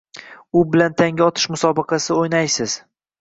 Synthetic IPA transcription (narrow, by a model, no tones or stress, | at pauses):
ʊbɪlant̪ʰaŋʲaɒt̪ʰɪ̥ʃmʊsɒbɨqʰɑsɪojnajsɪz̥